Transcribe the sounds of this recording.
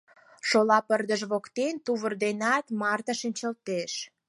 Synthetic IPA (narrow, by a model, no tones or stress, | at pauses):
ʃolɑpərd̪əʒβokt̪ent̪uβə̆rd̪enɑt̪mɑrt̪əʃənʲt͡ɕəlt̪eʃ